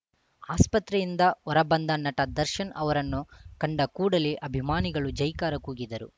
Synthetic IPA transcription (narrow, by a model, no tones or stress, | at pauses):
aːspɐt̪ɾɛjind̪ɐɔɾɐbɐnd̪ɐnɐʈɐd̪ɐɾʃɐnɐʋɐɾɐnːukɐɳɖɐkuːɽɐliʔɐbʱimaːniɡɐɭud͡ʒɐjkaːɾɐkuːɡid̪ɐɾṵ